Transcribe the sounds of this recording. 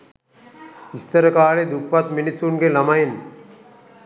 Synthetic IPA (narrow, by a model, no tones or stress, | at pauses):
ist̪əɾəkaːled̪ukpat̪minisːuŋɡelɐmajin